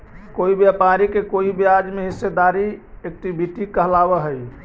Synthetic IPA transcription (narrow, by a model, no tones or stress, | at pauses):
koibjapaɾikekoibjad͡ʒmeɦisːed̪aɾiek̚ʈibʱiʈikəɦlabəɦəj